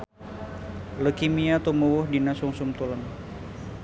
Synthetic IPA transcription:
ləkimiat̪omowɔhdinasuŋsumt̪ulən

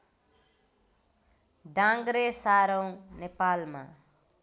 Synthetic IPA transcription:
ɖãŋɡɾesaɾʌw̃nepalma̰

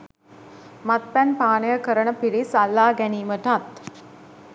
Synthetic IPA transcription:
mat̪̚pænpaːnəjəkəɾənəpiɽisalːaːɡæniːməʈat̪

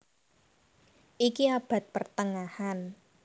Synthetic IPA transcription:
ʔikiab̥a̤t̪̚pərt̪əŋahan

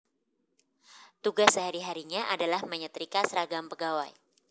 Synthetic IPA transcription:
t̪uɡasəɦaɾiɦaɾiɲaʔadalahməɲət̪ɾikasəɾaɡampəɡawaj

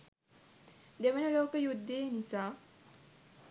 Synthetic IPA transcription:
d̪eʋənəloːkəjud̪ːejnisaː

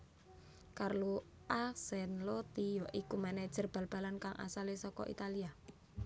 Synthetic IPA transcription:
karlu | ʔasɛnlot̪ijɔʔikumanɛd̥ʒ̥ə̤rb̥älb̥a̤lankaŋʔa̰salesɔkɔ̰ʔḭt̪alia

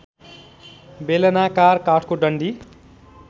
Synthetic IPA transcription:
belʌnakarkaʈʰkoɖʌɳɖi

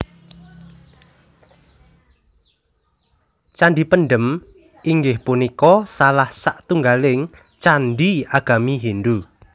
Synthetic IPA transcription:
t͡ʃanɖipənɖəm | ʔiŋɡɪhpunikɔsalahsaʔt̪uŋɡalɪŋ | t͡ʃanɖiaɡ̥a̤miɦinɖu

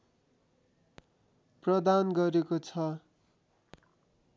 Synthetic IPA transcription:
prʌd̪anɡʌɾekot͡sʰʌ

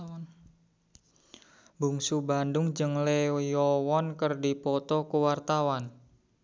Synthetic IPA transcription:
buŋsubandʊŋd͡ʒɨŋlejɔwɔnkərdipɔt̪ɔkuwart̪awan

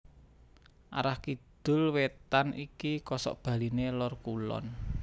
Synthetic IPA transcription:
ʔa̰ɾahkid̪̥ʊ̤lwet̪anikikɔsɔ̰ʔb̥ä̤linelɔrkulɔ̰n

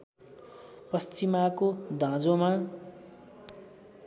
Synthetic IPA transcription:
pʌst͡simakod̪ʱãd͡zoma

